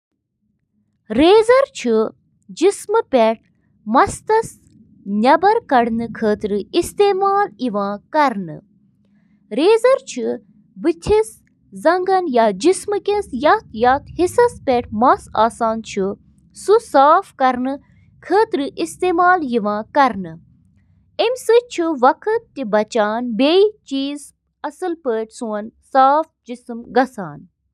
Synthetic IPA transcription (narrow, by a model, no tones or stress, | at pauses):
ɾeːzɐɾt͡ʃʰu | d͡ʒismɨpʲeʈ̚ʰ | mɐst̪ɐs | nʲɐbɐɾkɐɽnɨkʰəːt̪ɾɨist̪eːmaːliʋãːkɐɾnɨ̰ | ɾeːzɐɾt͡ʃʰɨ | bɨt̪ʰis | zɐŋɡɐnjaːd͡ʒismɨkʲẽsjɐt̪jat̪hisɐspʲeʈʰmɐsaːsaːnt͡ʃʰɨ | susaːfkɐɾnɨ | kʰəːt̪ɾɨʔist̪eːmaːljiʋãːkɐɾnɨ | emʲsɨt͡ʃʰuʋɐkʰɨt̪̚tibɐt͡ʃaːnbeit͡ʃiːz | ɐsɨlpəːʈʲsuɐnsaːfd͡ʒisɨmɡɐsaːn